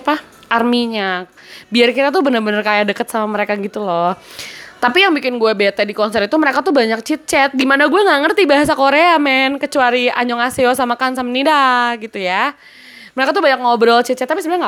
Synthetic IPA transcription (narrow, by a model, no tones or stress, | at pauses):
pa | ʔarmiɲak̚biarkiɾat̪̬ubənərbənərkajadəkət̪̚samaməɾekaɡit̪ulɔht̪apijaŋbikɪnɡuɛbet̪ɛdikɔnsɛɾit̪uməɾekat̪ubaɲak̚t͡ʃit̪̚t͡ʃɛt̪̚dimanaɡuaŋaŋərt̪ibaɦas̬akoɾeamɛnkət͡ʃuaɾiaɲɔŋasiɔsamakansamnidaɡit̪uja | məɾekat̪uhbaɲak̚ŋɔbəɾɔlt͡ʃit̪̚t͡ʃɛt̪ːapisəbɾaŋa